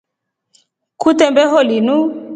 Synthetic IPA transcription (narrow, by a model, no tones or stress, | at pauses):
kutɛmbɛɦɔlinu